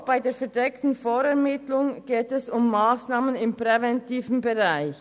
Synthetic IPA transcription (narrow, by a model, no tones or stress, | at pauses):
b̥aɪdeːɐfɛɐdɛktn̩foːɾɛɐmɪtlʊŋɡ̥eːtɛsʊmːaːsnaːmənɪmpʁ̥ɛvɛntʰiːvn̩bɛʁaɪç